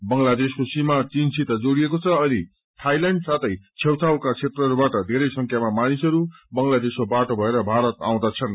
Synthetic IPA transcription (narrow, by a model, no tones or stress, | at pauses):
bʌŋlad̪eskosimat͡sinsit̪ʌd͡zoɽijekot͡sʰʌːni | ʈ̪ʰajlaɳɖsat̪ʰʌjt͡sʰewt̪ʰawkat͡sʰet̪rʌɦɾubaʈʌd̪ʱeɾʌjsʌŋkʰjamamanisʌɾubʌŋlad̪eskobaʈobʱʌeɾʌbʱaɾʌt̪a̰w̃d̪at͡sʰʌn